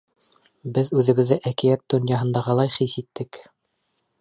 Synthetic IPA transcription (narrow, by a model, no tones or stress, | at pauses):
bɘðʉðɘ̆βɘ̆ðːɘʔækijæt̪̚d̪ŏnjɑɦɤ̆nd̪ɑʁɑlˠɑjχisit̪ːɘk